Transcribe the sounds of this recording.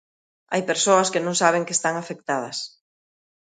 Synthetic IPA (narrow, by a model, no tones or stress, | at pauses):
a̰jpeɾsoɐskɪnõŋsaβ̞eŋkest̪aŋafek̚t̪að̞ɐs